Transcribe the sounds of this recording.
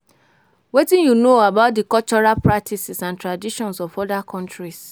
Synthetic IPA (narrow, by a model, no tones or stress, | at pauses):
wetĩnjunoabaʊt̚dikɔlt͡ʃɔɹalpɹak̚tʰisisãntɹadiʃɔ̃nsɔfɔdakʰɔ̃ntɹis